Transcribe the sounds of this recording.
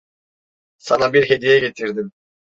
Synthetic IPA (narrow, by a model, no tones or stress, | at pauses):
sɑnɑbiɾɦed̪ijeket̪iɾd̪im